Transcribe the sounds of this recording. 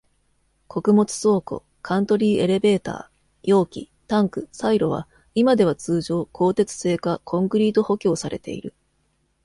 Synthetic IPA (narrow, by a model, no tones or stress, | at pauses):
kʰo̞kɯ̟mo̞t͡sɨ̥so̞ːko̞̰ | kʰãnt̪o̞ɾʲiːe̞ɾe̞be̞ːt̪a̰ː | jo̞ːkʲḭ | t̪ãŋkɯ̟saiɾo̞β̞a̰ | imad̪e̞β̞at͡sɨːʑo̞ːkʰo̞ːt̪e̞t͡sɨ̥se̞ːkakʰõ̞ŋkɯ̟ɾʲiːt̪o̞ho̞kʲo̞ːsaɾe̞̰t̪e̞̰ḭɾɯ̟